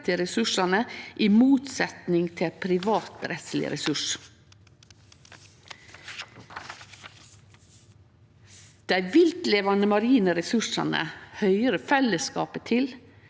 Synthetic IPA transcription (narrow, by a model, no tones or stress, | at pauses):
t̪ʰɪɾɛsʉʂɑnəʔiːmuːt̪sɛt̪nɪŋt̪ʰɪpʰɾɪʋɑːt̪ɾɛt̪slɪ̰ɾɛsʉʂ | d̪̥æɪʋɪlt̪leːʋɑnəmɑɾiːnəɾɛsʉʂɑ̰nə̰hœʏəɾəfɛləskɑ̰ːpət̪ʰɪl